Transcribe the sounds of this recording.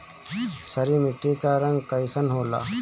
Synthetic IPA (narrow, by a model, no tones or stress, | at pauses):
sɐɾimɪʈːikaːɾɐŋɡkəjsɐnɦoːla̰ː